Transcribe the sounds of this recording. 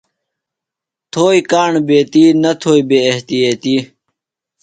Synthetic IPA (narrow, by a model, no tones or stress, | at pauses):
t̪ʰoːikaːɳbeːt̪iːnɐt̪ʰoːibeːeht̪ijeːt̪iː